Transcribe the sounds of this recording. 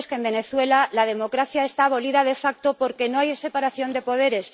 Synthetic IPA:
skembe̞ne̞θwe̞lalaðe̞mo̞kɾaθjae̞st̪aːβo̞liðaðe̞fak̚t̪o̞po̞ɾke̞no̞ajse̞paɾaθjo̞nd̪e̞po̞ð̞e̞ɾe̞s

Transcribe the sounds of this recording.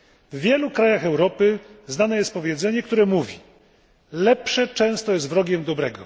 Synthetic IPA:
vːʲjɛlukɾajaxɛwɾɔpɘznanɛjɛst̪̚pɔvʲjɛd̪zɛɲɛk̚t̪uɾɛmuvʲi | lɛpʂɛt͡ʂɛ̃w̃st̪ɔjɛst̪vɾɔɡʲɛmd̪ɔbɾɛɡɔ̰

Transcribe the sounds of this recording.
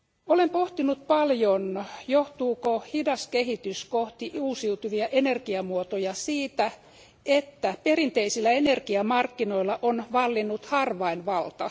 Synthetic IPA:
olempoht̪inut̪̚pɑljonjoht̪uːkohidɑskehit̪yskoht̪iʔuːsiut̪yʋiæʔenerkiɑmuot̪ojɑsiːt̪æ | et̪ːæperint̪eisilːæenerkiɑmɑrkːinoilːɑʔonʋɑlːinːut̪hɑrʋɑinʋɑlt̪ɑ

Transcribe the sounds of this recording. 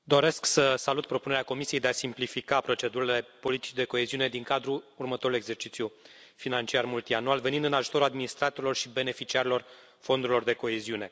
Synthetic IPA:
d̪o̞ɾe̞sksəsalut̪̚pɾo̞puneeako̞misije̞jd̪easimplifikapɾo̞t͡ʃe̞d̪uɾile̞po̞lit̪i̥t͡ʃʲd̪e̞ko̞e̞ziune̞d̪iŋkad̪ɾuːrmət̪o̞ɾule̞ɡze̞rt͡ʃit̪sju | finant͡ʃiarmult̪ianualve̞nind̪ɨnaʒut̪o̞ɾuad̪minist̪ɾat̪oɾilo̞rʃibe̞ne̞fit͡ʃiaɾilo̞r | fo̞nd̪uɾilo̞rd̪e̞ko̞e̞ziune̞

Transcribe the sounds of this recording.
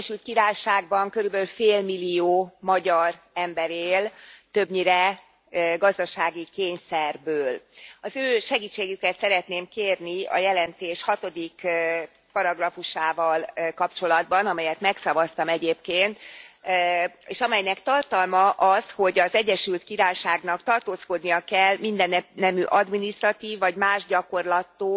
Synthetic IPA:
ɛʃylt̪̚kiɾaːjʃaːɡbɒŋkøɾybøːlfeːlmilːijoːmɒɟɒr | ɛmbɛɾeːlt̪ø̞bɲiɾɛ | ɡɒzd̪ɒʃaːɡikeːɲsɛrbøːlɒzøːʃɛɡiːt͡ʃːeːɡykɛt̪sɛɾɛt̪neːmkeːrniɒ̰jɛlɛnt̪eːʃhɒt̪o̞d̪ik | pɒɾɒɡrɒfuʃaːvɒlkɒpt͡ʃo̞lɒd̪bɒnɒmɛjɛt̪mɛksɒvɒst̪ɒmɛɟeːpkeːnt̪ | eːʃɒmɛjnɛkt̪ɒrt̪ɒlmɒʔɒsho̞ɟɒzɛɟːɛʃylt̪kiɾaːjʃaːɡnɒkt̪ɒrt̪oːsko̞d̪nijɒkɛlmind̪ɛnɛnːɛmyʔɒd̪minist̪rɒt̪iːvːɒɟmaːʒɟɒko̞rlɒt̪ːoː

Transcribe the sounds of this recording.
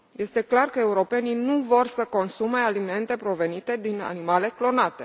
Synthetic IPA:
je̞st̪e̞klarkəe̞uɾo̞pe̞ninuvo̞rsəko̞nsume̞alime̞nt̪e̞pɾo̞ve̞nit̪e̞d̪ina̰nimale̞klo̞nat̪e̞

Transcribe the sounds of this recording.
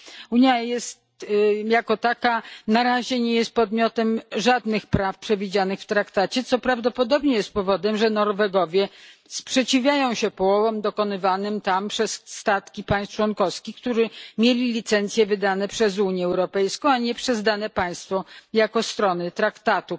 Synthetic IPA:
uɲjajɛst̪jakɔt̪akanaɾaʑɛɲɛjɛst̪̚pɔd̪mʲjɔt̪ɛmʐad̪nɘxpɾafpʂɛvʲid͡ʑanɘxft̪ɾakt̪at͡ɕɛt̪sɔpɾavd̪ɔpɔd̪ɔbɲɛjɛst̪̚pɔvɔd̪ɛmʐɛnɔɾvɛɡɔvʲjɛspʂɛt͡ɕivʲjajɔ̃w̃ɕɛpɔwɔvɔmd̪ɔkɔnɘvanɘmt̪ampʂɛsːt̪at̪kʲipãj̃st̪t͡ʂwɔnkɔfskʲixkt̪uʐɘmʲjelʲilʲit̪sɛnt̪sʲjɛvɘd̪anɛpʂɛzuɲjɛɛwɾɔpɛjskɔ̃w̃aɲɛpʂɛzd̪anɛpaj̃st̪fɔjakɔst̪ɾɔnɘt̪ɾakt̪at̪u

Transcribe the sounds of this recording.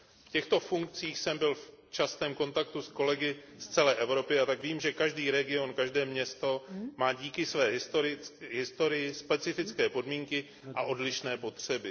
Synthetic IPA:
fcɛxt̪o̞fuŋk̚t͡siːxsɛmbɪlft͡ʃast̪ɛːmko̞nt̪ak̚t̪usko̞lɛɡɪ | st͡sɛlɛːʔɛvɾo̞pɪat̪aɡviːmʒɛkaʒdiːɾɛɡɪo̞nkaʒdɛːmɲɛst̪o̞maːɟiːkɪsvɛːt̪oɾɪɦɪst̪o̞ɾɪjɪspɛt͡sɪfɪt͡skɛːpo̞dmiːŋkɪ | ʔaʔo̞dlɪʃnɛːpo̞t̪r̝̥ɛbɪ

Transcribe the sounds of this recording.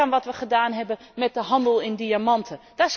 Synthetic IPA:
anʋɑtʋəχədaːnɦɛbənmɛt̚dəɦɑndəlˠɪndiamɑntʰəd̥as

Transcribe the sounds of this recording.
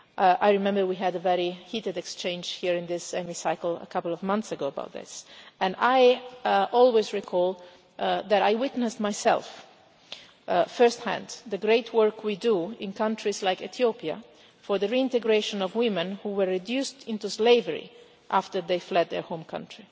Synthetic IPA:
ʔajɹimɛ̃mbəɹwiɦɨdəvɛɹihitɨdɛkst͡ʃẽɪ̃nd͡ʒhiɹɪ̃nðɪsɛmisaɪkəl̩ˠə̰kʰʌpl̩ˠɔvmʌ̃nθsəɡoʊəba̰ʊt̪̚ðɪ̰sɛ̃najʔɔlˠwezɹikʰɔlˠ | ðæɾajwɪt̪nəstmajsɛ̰lˠf | fɜ˞sthæ̰̃ndðəɡɹeɪtʰwɜɹkʰwiduɪ̃nkʌ̃ntʰɹizlaɪkɛt̪ʰjopia̰ | fɔɹðəɹiɪ̃nt̪ɛɡɹeʃə̃nɔvwɪ̃mə̃nhuwəɹːidjustɪ̃nt̪usleɪvəɹḭ | ʔaft̪ə˞ðeɪflɛd̪̚ðə̰ɹhõʊ̃mkʰʌ̰̃ntʰɹ̥i

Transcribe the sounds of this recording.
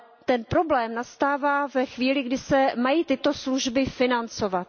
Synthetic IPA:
t̪ɛnpɾo̞blɛːmnast̪aːvaːvɛxviːlɪɡdɪsɛmajiːt̪ɪt̪o̞sluʒbɪfɪnant͡so̞vat̪

